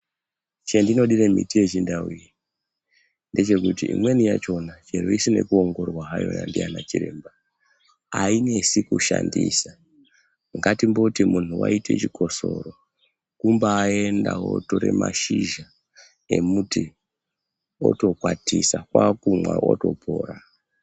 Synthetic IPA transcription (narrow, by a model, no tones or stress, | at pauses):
t͡ʃendino̞ɗiɾemitije̞t͡ʃindauji | nde̞t͡ʃe̞kutiimwe̞nijat͡ʃo̞nat͡ʃeɾoisine̞kuoŋɡo̞rwaɦajo̞̰ja̰ndianat͡ʃiɾeːmba | aine̞sikuʃandisa | ŋɡatimbo̞timun̤uwaitʰe̞t͡ʃikʰo̞soro̞ | kumbaːendawotoɾe̞maʃiʒa | e̞muti | o̞̰to̞kwatʰisakwakumwaoto̞pʰoːra